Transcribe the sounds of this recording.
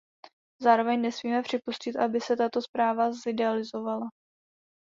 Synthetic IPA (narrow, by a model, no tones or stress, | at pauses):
zaːɾo̞vɛɲnɛsmiːmɛpr̝̥ɪpuscɪt̪ʔabɪsɛt̪at̪o̞spɾaːvazɪdɛalɪzo̞vala